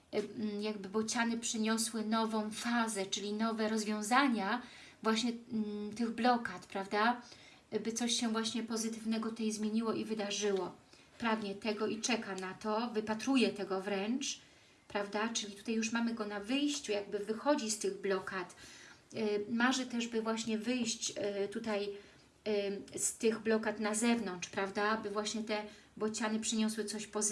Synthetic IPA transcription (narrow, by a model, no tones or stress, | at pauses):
jaɡ̚bɘbɔt͡ɕanɘpʂɘɲɔswɘnɔvɔ̃w̃fazɛt͡ʂɘlʲinɔvɛɾɔzvʲjɔ̃w̃zaɲa | vwaɕɲɛt̪ɘɣblɔkat̪pɾavd̪a | bɘt̪sɔɕɕɛvwaɕɲɛpɔzɘt̪ɘvnɛɡɔt̪ut̪ɛajzmʲjeɲiwɔʔivɘd̪aʐɘwɔ | pɾaɡɲɛt̪ɛɡɔit͡ʂɛkanat̪ɔvɘpat̪ɾujɛt̪ɛɡɔvɾɛnt͡ʂ | pɾavd̪at͡ʂɘlʲit̪u̥t̪ajuʂ̬mamɘɡɔnavɘjɕt͡ɕujaɡ̚bɘvɘxɔd͡ʑist̪ɘɣblɔkat̪ | maʐɛt̪ɛʐbɘvwaɕɲɛvɘjɕt͡ɕt̪ut̪aj | st̪ɘɣblɔkat̪nazɛvnɔntt͡ʂʂpɾavd̪abɘvwaɕɲɛt̪ɛ | bɔt͡ɕanɘpʂɘɲɔswɘt̪sɔɕpɔ